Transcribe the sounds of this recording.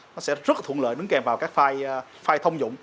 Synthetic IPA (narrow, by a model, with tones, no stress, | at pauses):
nɔ˨˦sɛ̰˧˥zə˦˥t̚t̪ʰṵ˧˨ələ̰ː˧˨jɗɨ˨˦ŋkɛ˨˩mvaː˨˩wkaː˦˥k̚faː˧j | faː˧jt̪ʰə˧wŋ͡mzʊ̰˧˨ŋ͡m